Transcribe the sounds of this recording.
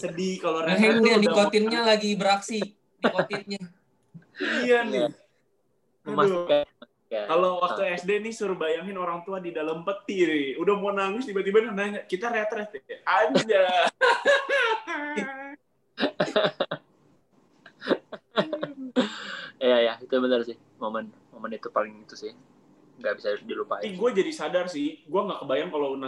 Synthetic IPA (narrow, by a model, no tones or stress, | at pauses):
sədikaloɾɦɛŋdadikkot̪ɪnɲalaɡibəɾaksi | dikot̪ɪt̪̚ɲa | ijanɪ | mʊkama | kakalowak̚t̪uɛsdenisuɾbajaŋɪnoɾaŋt̪uadidalampət̪iɾɪudahmoanaŋʊst̪ibat̪ibaninaɲakit̪aɾet̪ɾɛst̪ad͡ʒa | jajait̪ubənərsɪh | momənmomənit̪upalɪŋit̪usɪh | ŋɡaʔbisadilupa̰iɡuad͡ʒadisadarsɪhɡuaŋɡaʔkəbajaŋkalona